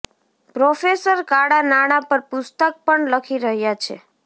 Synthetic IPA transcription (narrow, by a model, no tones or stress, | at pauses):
pɾofesəɾkaɽanaɽ̃apəɾpʊst̪ək̚pəɳləkʰiɾəɦjat͡ʃʰḛ